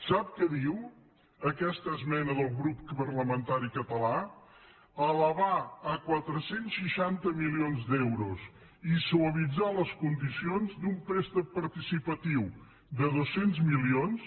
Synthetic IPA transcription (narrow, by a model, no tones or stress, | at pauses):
sap̚kəðiw | əkɛst̪əzmɛnəðəlˠɣɾuppərləmənt̪aɾikət̪əla | ələβaəkwat̪ɾəsensʃiʃant̪əmilionzd̪ɛwɾus | isuəβid͡zaləskund̪isionzd̪umpɾɛst̪əpəɾt̪isipət̪iw | d̪əðosenzmilions